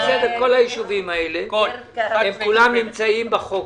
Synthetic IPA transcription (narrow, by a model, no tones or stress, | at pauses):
zeveko̞lajiʃuvimaele | emkulamnimt͡saimbaχo